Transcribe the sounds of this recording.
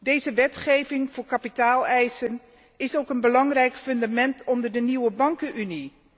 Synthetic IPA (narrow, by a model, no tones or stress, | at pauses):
dejzəʋɛtχejvɪŋv̥ʊːɹkapitaːlˠɛjsən | ɪsowkənbəlɑŋrɛjkfɵndamɛntɔndəɹdəniwəbɑŋkənyni